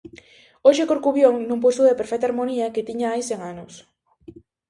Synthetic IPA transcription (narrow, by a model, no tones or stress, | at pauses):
oʃekoɾkuβjoŋnumpost̪ʊðepeɾfɛk̚t̪aɾmoniɐket̪iɲaajseŋanos